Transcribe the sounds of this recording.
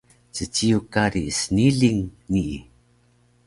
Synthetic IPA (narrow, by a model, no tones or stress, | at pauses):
t͡sət͡ɕijukaɾisəniɮiŋniʔḭ